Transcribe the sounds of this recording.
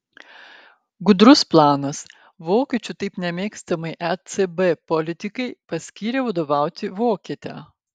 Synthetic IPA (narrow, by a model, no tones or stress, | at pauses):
ɡʊd̪ɾʊsplˠɑːnɐs | ʋoːkʲet͡ʃʲʊt̪ɐɪpnʲɛmʲeːkst̪ɐmɐɪʔɛt̪sebɛpɔlʲɪt̪ʲɪkɐɪpɐsʲkʲiːɾʲeːʋɐd̪oːʋɑˑʊt̪ʲɪʋoːkʲiːt̪ʲæ̰ː